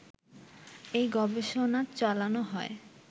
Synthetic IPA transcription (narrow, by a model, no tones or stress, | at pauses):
ejɡɔbeʃonat͡ɕalanoɦɔe